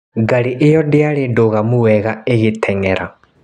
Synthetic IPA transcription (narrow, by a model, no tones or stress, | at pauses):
ɡaɾiʔejɔdeaɾedoɣamuwɛɣaeɣetʰɛŋɛɾa